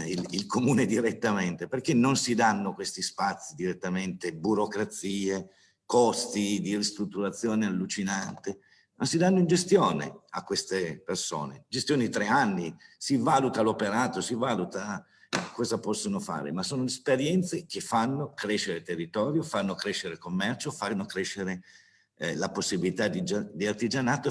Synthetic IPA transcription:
ililkomuːned̪iɾet̪ːament̪eperk̟enːonsid̪anːokwest̪ispat̪sːid̪iɾet̪ːament̪ebuɾokɾat̪siːe | kɔst̪id̪irist̪ɾut̪ːuɾat̪sːjoːnealːut͡ʃinant̪e | masid̪anːoind͡ʒest̪joːnḛa̰kːwest̪eperso̰ːned͡ʒest̪joːned̪it̪ɾeanːisivaːlut̪alopeɾaːt̪osivaːlut̪a | kɔːzapɔsːonofa̰ːɾḛmasoːnolespeɾjɛnt̪sek̟efanːokɾeʃːeɾet̪erːit̪ɔːɾjofanːokɾeʃːeɾekomːɛrt͡ʃofanːokɾeʃːeɾe | laposːibilit̪ad̪id͡ʒad̪iart̪id͡ʒanaːt̪o

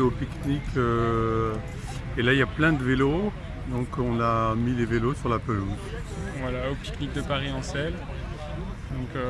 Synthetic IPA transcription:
opiknikʰø | elailjaplɛ̃d̪əvelo | d̪ɔ̃kɔ̃namilevelosyʁlapəluz | vwalaopi̥knik̚d̪əpaʁiɑ̃sɛl | d̪ɔ̃kø

